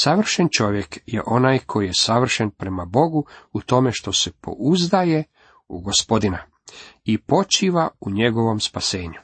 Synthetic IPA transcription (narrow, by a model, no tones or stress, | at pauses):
saʋr̩ʃent͡ʃo̞ʋjekjḛʔo̞naːjkʰo̞jije̞saʋr̩ʃenpɾe̞mabo̞ɡuut̪o̞me̞ʃt̪o̞se̞pʰo̞̰uzd̪aje | ṵɡo̞spo̞d̪ina | ipo̞t͡ʃiːʋauɲe̞ɡo̞ʋo̞mspase̞ːɲu